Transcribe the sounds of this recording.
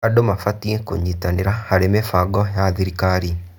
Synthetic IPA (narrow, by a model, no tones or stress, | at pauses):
adomafatieko̰ɲitaneɾahaɾemefaɡɔjaðiɾikaɾi